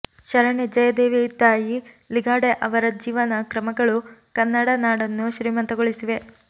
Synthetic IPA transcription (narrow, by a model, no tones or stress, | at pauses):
ʃɐɾɐɳed͡ʒɐjɐd̪eːʋit̪aːji | liɡaːɽeʔɐʋɐɾɐd͡ʒiːʋɐnɐkɾɐmɐɡɐɭukɐnːɐɽɐnaːɽɐnːuʃɾiːmɐnt̪ɐɡoɭisiʋe̞